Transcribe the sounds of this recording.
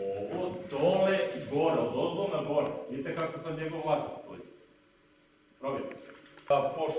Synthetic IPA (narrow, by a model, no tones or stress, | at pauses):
oʋod̪oleɡoɾeod̪ozd̪onaɡoɾevid̪it̪ekakosamɲeɡoʋlˠat̪ast̪o̰ḭ | pɾobʲjet̪apoʃ